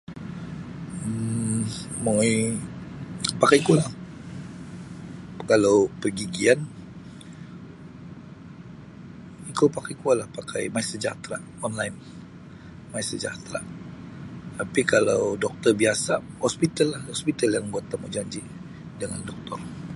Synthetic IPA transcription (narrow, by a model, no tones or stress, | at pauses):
ə | mai | pakajkualah | kalawpəɡiɡian | ikopakajkualahpakʰajmaisəd͡ʒa̰t̪ɾa | ɔnlajn | maisəd͡ʒa̰t̪ɾa̰ | t̪apikalawdɔk̚t̪ɔrbiasa | hɔspit̪alːahhɔspit̪aljaŋbuat̪ːamud͡ʒaɲd͡ʒi | dəŋandɔk̚t̪ɔ̰r